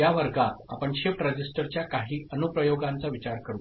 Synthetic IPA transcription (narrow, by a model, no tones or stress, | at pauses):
jaʋəɾɡat̪̚apəɳɕefʈɾəd͡ʑisʈəɾt͡ɕjakaɦiːənupɾəjoɡãnt͡saʋit͡ɕaɾkəɾṵ